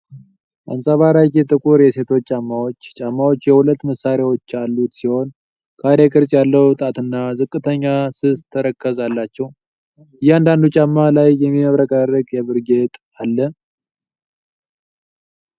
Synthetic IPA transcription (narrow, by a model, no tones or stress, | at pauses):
ʔa̰nsʼaβaɾajkɛt̪ʼɨkʼuɾjɛse̞t̪ʰo̞t͡ʃːt͡ʃʼamːawo̞t͡ʃːt͡ʃʼamːawo̞t͡ʃːjɛhulət̪ːməsːaɾawo̞t͡ʃːalːut̪siho̞n | kʰad̪ekʼɨɾsʼjalːəwt̪ʼat̪ɨnːazɨkʼːɨt̪ʰəɲːasɨst̪ʰːəɾəkʰːəzalːat͡ʃːɛw | ɨjɛand̪and̪ut͡ʃʼamːalajːɛmːiməβɾəkʼaɾəkʼjɛβɨɾɡe̞t̪ʼ | alːə